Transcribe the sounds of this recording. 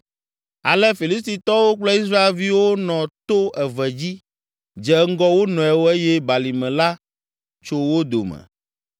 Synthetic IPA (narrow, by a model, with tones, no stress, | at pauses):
a̰˨lɛ˦fi˨li˦st̪i˨t̪ɔ˦wo˦k͡plɛ˦i˦s̬ɾa˦e˨lvi˦wo˦nɔ̃˨t̪o˦ʔɛ˨vɛ˨d͡ʑi˦ | d͡ʒɛ˨ŋ̩˦ɡɔ˦wo˦nɔ̃˨ɛ˨wo˦e˦jɛ˦ba˨li˨mɛ̃˨la˦ | t͡ʃo˦wo˦d̪o̰˨mɛ̰˨